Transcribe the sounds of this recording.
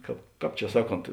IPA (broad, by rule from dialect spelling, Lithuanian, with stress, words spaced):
ˈkɑːp ˈkɑːp t͡ʃʲɛ ˈsɑːˌkoːnt